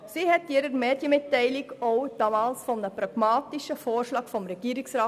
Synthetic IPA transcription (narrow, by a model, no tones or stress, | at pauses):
siːhɛtjiɾəɾmeːd̥jəmɪtːɛɪlikoʊd̥ɑːmɑːlsfɔmnəpɾɑɡ̥mɑːtiʃəfoːɾʃlɑːkfɔmɾɛɡ̥iːɾiksɾɑː